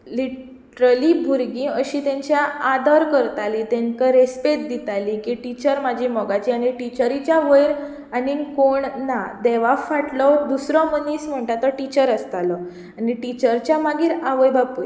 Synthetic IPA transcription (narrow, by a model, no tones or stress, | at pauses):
liʈ | ʈɾəlibʱuɾɡĩəɕit̪ẽɲt͡ɕjaad̪ɔɾkəɾt̪alit̪ẽŋkaɾespet̪̚d̪it̪alikiʈit͡ɕəɾmad͡ʑʱimɔɡat͡ɕiañiʈit͡ɕəɾit͡ɕjaʋəjɾ | anikoɳnad̪ɛʋafaʈlɔd̪usɾɔməniːsm̤əɳʈat̪ɔʈit͡ɕəɾəst̪alɔ | aniʈit͡ɕəɾt͡ɕjamaɡiːɾaʋəjbapuj